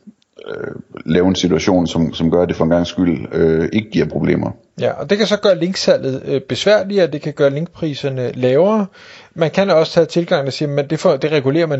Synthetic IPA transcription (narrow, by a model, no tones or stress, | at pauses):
ølɛːʊe̝nsit͡sʰuæɕo̝̰ːnsɒ̽msɒ̽mɡ̥ɶɐd̥efɒenɡ̥ɑ̈ŋsɡ̥yl̰øe̝ɡ̥əɡ̥iɐ̰pʰʁo̝b̥le̝̰ːmɐ | jæʔɒ̽d̥e̝kʰæsɒ̽ɡ̥ɶːɐle̝ŋɡ̥sæl̰ð̩ˠb̥e̝sʋæɐ̰liɒd̥e̝kʰæɡ̥ɶːɐle̝ŋɡ̥̚pʰʁḭːsɐnəlɛːʊɐːmænkʰænɒ̽sə̥t͡sʰɛt͡sʰe̝lɡ̥ɑ̈ŋ̰n̩æsiːɐmend̥e̝fɒd̥e̝ʁɛɡ̥ule̝̰ːɐmæn